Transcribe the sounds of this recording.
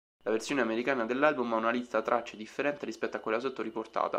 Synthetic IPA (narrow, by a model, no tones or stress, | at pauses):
laversjoːneameɾikaːnad̪elːalbumaunalist̪at̪ɾʔat͡ʃːed̪ifːeɾɛnt̪eɾispɛt̪ːoakːwelːas̬ot̪ːoɾiport̪a̰ːt̪a̰